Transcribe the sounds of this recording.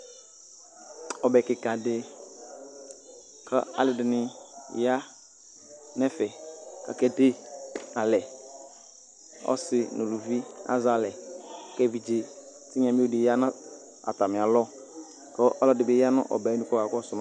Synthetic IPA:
ɔ˨bɛ˨kɪ˨ka˨dɪ˦ | kʰa̰˦a̰˨lɪ˨dɪ˨nɪ˨ja˦ | nɛ˦fɛ˨ka̰˨kɛ˨de˦a˨lɛ˨ | ɔ̰˦sɪ˨nʔʊ˨lu˨vi˦a̰˦za˨lɛ˨kɛ˦vi˨d͡ʒe˨ | tɪ˦ɲã˨mi˦o˦dɪ˨ja˦na˦ | a̰˨ta˨mɪ̃˨a˨lɔ˦ | kɔ˦ʔɔ˦lɔ˦˨dɪ˨bɪ˦ja˦nʊ̰̃˦ʔɔ̰˨bɛ˨˦nu˦kɔ˦ka˨kɔ˦sʊ˨ma˨

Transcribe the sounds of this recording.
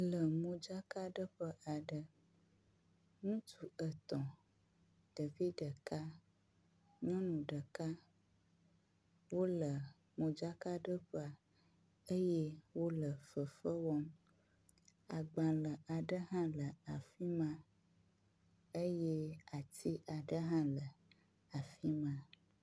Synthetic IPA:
lə˨mõ˨d͡ʒa˦ka˦ɖə˦ɸə˦ʔa˨ɖə˦ | ŋũ˦t̪u˨ə˨t̪ɔ̃˨ | ɖ̥ə˨vi˦də˨ka˦ | ɲɔ̃˦nũ˨ɖə˨ka˦ | wo˦lə˨ | mõ˨d͡ʒa˦ka˦ɖə˦ɸə˦a˨ | ə˦jɛ˦wo˦lə˨fə˨fə˦wɔ˦m | a˨ɡ͡bã˨lə˨a˨ɖə˦ɦã˦lə˨a˨fi˦mã˦ | ə˦je˦a˨t̪ʰi˦ʔa˨ɖə˦ɦã˦lə˨ | a˨fi˦mã˦

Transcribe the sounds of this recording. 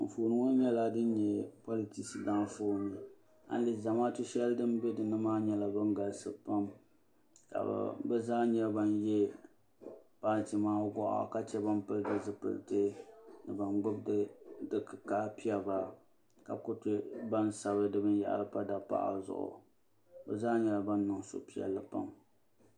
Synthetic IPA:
m̩˨foː˨nɨ˨ŋo˦ɲɛ˦la˦dɨ˦n˦ɲɛ˦pɔ˦li˨ti˦sɨ˨da˦foː˦˨nɨ˨ | a̰˨n˦li˨za˨maː˦tʊ˦ʃɛ˦ldɨ˦m˦bɛ˦dɨ˨nɨ˦maː˦ɲɛ˦la˨bɨ˦ŋɡa˨lsɨ˦pa˦m | ka̰˨bɛ˦zaː˦ɲɛ˦ba˨njɛ˦ | paː˦˨ti˨maː˦ɡɔ˦ʔa̰˨ka˦t͡ʃɛ˦ba˦mpɨ˦ldɨ˨zɨ˦pɨ̰˨ltɨ˦nɨ˨ba˨nɡ͡bʊ˦b̚ddɨ˦kɨ˨ka˦pi˦ɛ˨ba˨ | ka˨kʊ˦tɪ˦ba˦nsa˨bɨ˦dɨ˦bɨ˦n˦ja̰˦˨ʔa̰˨lɨ˦pa˦da˨pa̰˦˨ʔa̰˨zʊ̰˨ʔʊ̰˨ | bɛ˨zaː˦ɲɛ˦la˨ba˦nːɨ˨ŋso̰˦pi˦ɛ̰˨lːɨ˦pa̰˦m

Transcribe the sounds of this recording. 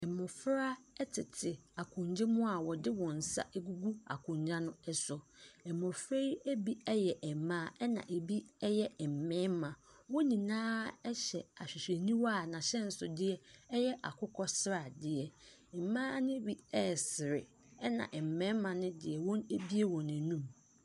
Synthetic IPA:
ɛ˨mɔ̃˨fɾa˦ɛ˦tʰɪ˨tʰɪ˨a˨kʰʊ̃˨ɲd͡ʑɪ˦mʊ̃˦a˨wɔ˨dɪ˦wɔ̃˨n̩˨sa̰˦ʔe˦ɡu˦ɡu˦a̰˨kʰʊ̃˨ɲd͡ʑa˦nʊ̃˦ɛ˦sʊ˨ɛ˨mɔ̃˨fɾe˦i˦e˦bi˦ɛ˦jɛ˨ʔɛ˨mãː˦˨ɛ˦nã̰˨ʔe˨bi˦ɛ˦jɛ˦ɛ˨m̩˨mɛ̃˦mmã˨ | wɔ˦nĩ˨nãː˦ɛ˦ɕɛ˨a˨ɕᶣɪ˨ɕᶣe˨nĩ˦wɔ˦a˨nã˨ɕɛ˦n̩˦sʊ˨dɪ˦ɛ˦ɛ˦jɛ˦ʔa̰˨kʰʊ˦kʰɔ˦sɾa˨dɪ˦ɛ˨˦ | mãː˦nɪ̃˦bi˦ɛ˦˨sɪ˨ɾɪ˨ | ɛ˦nã̰˨ʔɛ˨m̩˨mɛ̃˦mmã˨nɪ̃˦dɪ˨ɛ˨wɔ̃˦ne˦bi˦e˦wɔ̃˨næ̃˨nũ˦˨m

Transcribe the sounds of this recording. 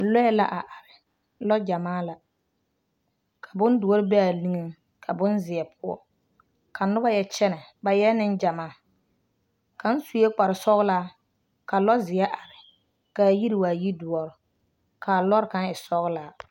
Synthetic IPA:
lɔ˦ɛ˦la̰˦ʔa˨ʔa˨ɾɪ˨ | lɔ˦d͡ʒa˨maː˦la˨ | kʰa˨bʊ˦ndʊ˨ɔ˦ɾɪ˦bɛ˦a˨li˦ŋe˦ | kʰa˨bʊ˦nzɪ˨ɛ˨pʰʊ˦ɔ̰˨ | kʰa˨nʊ˦ba˦jɛ˦t͡ʃɛ˦nɛ˨ba˨jɛ˦nɪ˦nd͡ʒa˨maː˦˨ | ka˨n̩˦su˨je˦k͡pa˨ɾɪ˨sɔ˦ɣlaː˦ | ka˨lɔ˦zɪ˨jɛ˦ʔa˨ɾɪ˨ | ka˨ji˦ɾi˨waː˨ji˦dʊ˨ɔ˨ɾɪ˨ | kʰaː˨lɔ˦ɾɪ˦ka˦nɪ˨sɔ˦ɣlaː˦

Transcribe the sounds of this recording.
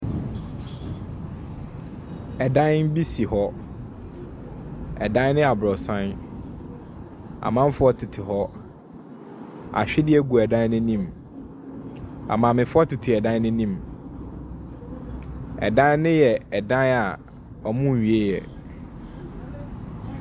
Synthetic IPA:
ɛ˨dã˦n˦n˦bi˦si˨hɔ˦ | ɛ̰˨dã˦nɪ̃˦a˨bɾɔ˨sã˦n | a̰˨mã˦m˦fʊ˦ɔ˦tʰɪ˨tʰɪ˨ɦɔ˦ | a̰˨ɕᶣɪ˦dɪ˦ɛ˦ɡu˨ɛ˨dã˦n˦nɪ̃˦nĩ˦˨m | a̰˨mã˨mɪ̃˨fʊ˦ɔ˦tʰɪ˨tʰɪ˨ɛ˨dã˦nɪ̃˦nĩ˦m | ɛ̰˨dã˦n˦nɪ̃˦jɛ˨ɛ˨dã˦na˨ | ɔ˨mʊ̃˦˨ɥi˨e˦jɛ̰˨

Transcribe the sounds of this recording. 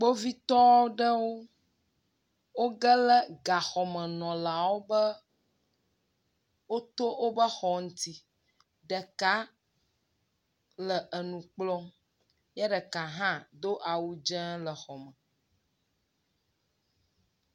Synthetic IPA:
k͡po˦vi˦t̪ɔ˦o˦ɖə˦wo˦ | wo˦ɡə˦lə˦ɡa˨xɔ˨mə̃˨nɔ̃˨la˨wo˦bə˦ | wo˦t̪o˦wo˦bə˦xɔ˨ŋũ˦t̪i˦ | ɖə˨ka˦ | lə˨ʔə˨nũ˨k͡plɔ˦ | jɛ˦ɖə˨ka˨ɦã˦d̪o˦ʔa˨wu˦d͡ʒɛ̃˦lə˨xɔ˨mə̃˨

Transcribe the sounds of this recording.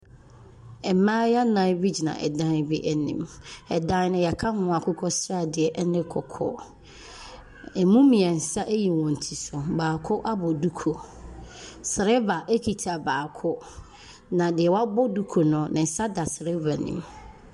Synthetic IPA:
ɛ˨mãː˦ja˦nã˦bi˦d͡ʑi˨nã̰˨ʔɛ̰˨dã˦n˦bi˦ʔæ˨nḭ̃˨m | ɛ˨dã˦n˦nʊ̃˦jɛ˨kʰa˦hʊ̃˦a˨kʰʊ˦kʰɔ˦sɾa˦˨dɪ˨ɛ˨ʔɛ˦nɪ̃˦kʰɔ˨kʰɔ̰˦ | ɛ˨mũ˦mĩ˨ã˨n̩˨sa˦ʔe˦ji˨wɔ̃˨n̩˨tʰi˨sʊ˨baː˨kʰʊ˦ʔa˦bɔ˨du˦kʰo˨ | sɪ˨ɾɛ˦va˨ʔæ˦kʰi˨tʰa˨baː˨kʰʊ˦ | nã˨dɪ˨ɛ˨wa˦bɔ˦du˦kʰo˨nʊ̃˨˦nɪ̃˨n̩˨sa˦da˨sɾɛ˦va˨nḭ̃˨˦m

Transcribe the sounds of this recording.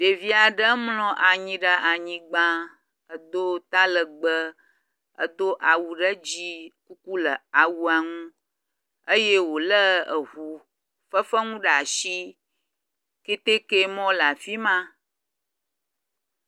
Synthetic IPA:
ɖe˨vi˦a˨ɖə˦mlɔ̃˨ʔa˨ɲĩ˨ɖə˦ʔa˨ɲĩ˨ɡ͡bã˦ | ə˨d̪o˦t̪a˦lə˨ɡ͡bə˦ | ə̰˦d̪o˦ʔa˨wu˨ɖə˦d͡ʑi˦ku˦ku˦lə˨a˨wu˦a˨ŋũ˦ | ə˦je˦wo˨lə˦ə˨ɦu˨ | fə˦fə˦ŋũ˦ɖa˨ʃi˦ | ke˦t̪e˦ke˦mɔ̃˦la˨fi˦mã˦

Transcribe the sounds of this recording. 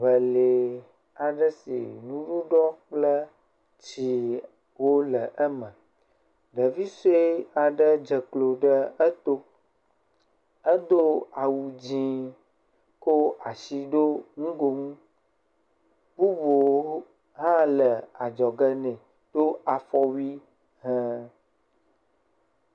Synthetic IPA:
βə˨le˨ | a˨ɖə˦sḭ˨nũ˦ɖu˦ɖɔ˦k͡plə˦ | t͡ɕi˨ | wo˦lə˨ʔə˦mə̃˨ | ɖə˨vi˦se˦a˨ɖə˦d͡ʒə˨klo˨ɖə˦ə˦t̪o˦ | ə˦d̪o˦a˨wu˨d͡ʑĩ˦ | ko˦a˨si˨ɖo˦ŋũ˦ɡo˨ŋũ˦ | bu˦bo˨˦ | ɦã˦lə˨a˨d͡ʒɔ˨ɡə˦nɛ̃˨ | ɖ̪̥o˦a˨fɔ˦wi˦ | ɦɛ̃˦

